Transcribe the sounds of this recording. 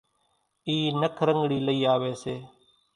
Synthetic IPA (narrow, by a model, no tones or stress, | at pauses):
iːnəkʰɾəŋɡɽiːləiːaːʋeːseː